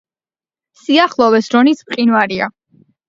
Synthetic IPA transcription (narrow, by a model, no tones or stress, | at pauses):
siaχlˠɔwɛsɾɔnismqʼinwaɾia̰